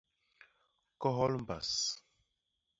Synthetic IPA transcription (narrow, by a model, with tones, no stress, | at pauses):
kɔ˦ɦɔ˦lm̩˨ba˨s